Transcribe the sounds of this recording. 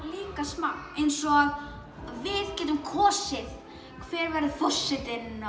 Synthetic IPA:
liːkasmaejnsɔɣ | vɪðcɛːt̪ʏmkʰɔːsɪθ | kʰvɛːɾvɛɾðɪθɔsːɪt̪ɪnnːa

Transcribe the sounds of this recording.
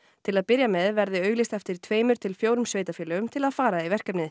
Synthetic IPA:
t̪ʰɪlaðpɪɾjamɛðvɛɾðɪœːɥɣlist̪ɛft̪ɪɾ̥t̪ʰveːjmʏɾ̥t̪ʰɪlfjoːwɾʏmsveːjt̪afɛːlʏɣʏmt̪ʰɪlaðfaːɾaivɛr̥kapnɪ

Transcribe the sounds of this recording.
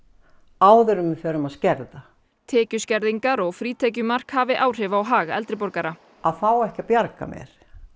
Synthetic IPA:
aːwðʏɾʏmɪfɛːɾʏmaðscɛɾða | t̪ʰɛːcʏscɛɾðiŋkaɾɔɣfɾiːt̪ʰɛc̬ʏmar̥khaːvɪʔaːwr̥ɛvaːwɦaːɣaɛ̰lt̪ɾɪpɔɾkaɾa | aðfaːwɛhcapjaɾka̰mjɛ̰ɾ̥

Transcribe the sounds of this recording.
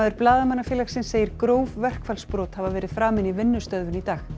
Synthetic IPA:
ðɪɾplaːðamanːafjɛːlaksɪnseːjɪɾ̥kɾoːwvvɛr̥kfalspɾɔːt̪havavɛːɾɪð̥fɾaːmɪnivɪnːʏst̪œðvʏnit̪aːx

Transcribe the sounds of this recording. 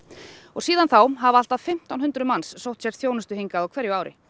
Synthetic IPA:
ɔɣsiːðanθawɦavaal̥t̪að̥fɪm̥t̪awnɦʏnt̪ɾʏmansːowht̪sɛɾt̪θjownʏst̪ʏhiŋkaðawkʰvɛɾjʏaːwɾʔɪ̰

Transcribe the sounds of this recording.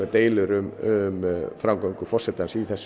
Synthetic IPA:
ɛt̪eːjlʏɾʏmʏmfɾamkoŋkʏfɔr̥sɛt̪ːansiθɛs

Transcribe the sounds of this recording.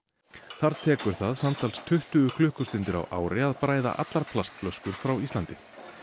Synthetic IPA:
θaɾt̪ʰɛːkʏɾ̥θaðsamt̪alst̪ʰʏht̪ʏʏkʰlʏhkʏst̪ɪnt̪ɪɾa̰wʔa̰ːwɾɪaðpɾaːjða̰ʔa̰t̪laɾpʰlast̪̚plœskʏɾ̥fɾawist̪ant̪ɪ

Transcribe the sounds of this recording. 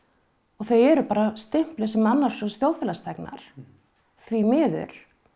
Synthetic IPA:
ɔɣθœɥjɛɾʏpaːɾast̪ɪm̥plʏsɛmanːaɾ̥sɔst̪jowðfɪlast̪ʰɛkna̰ɾ̥ | θvimɪːðʏ̰ɾ̥

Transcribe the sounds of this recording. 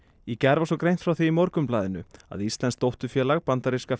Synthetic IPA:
jɛcɛɾvasɔkɾejnt̪fɾawθiːmɔɾkʏmplaːðɪnʏ̰a̰ðist̪lɛnst̪owht̪ʏfjɛːlaɣpant̪aɾiska

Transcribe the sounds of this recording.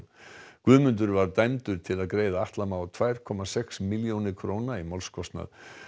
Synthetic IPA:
kvʏːðmʏnt̪̬ʏɾvaɾt̪ajmt̪ʏɾ̥t̪ʰɪlaðkɾeːjðaaht̪lamaːwt̪ʰvaːjɾ̥kʰɔmasɛksmiljownɪkʰɾownaimɔlskʰɔst̪na̰ð

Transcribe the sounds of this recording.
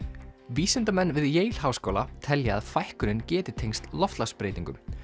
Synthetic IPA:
viːsɪnt̪amɛnːvɪðjeːjl̥ɦawskoːwlat̪ʰɛljaaðfajhkʏɾɪncɛːt̪ɪt̪ʰejŋst̪lɔft̪laspɾejt̪iŋkʏm

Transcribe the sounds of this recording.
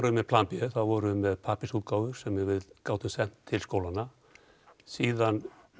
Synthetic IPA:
ɾʏmɛðpʰlampʏθaðvɔɾʏmɛðpʰaːpɪsut̪̚kaːwðʏɾ̥sɛmɛɾvɪðkaːwt̪ʏmsɛm̥t̪ʰːɪlskoːwlanːa | siːðan

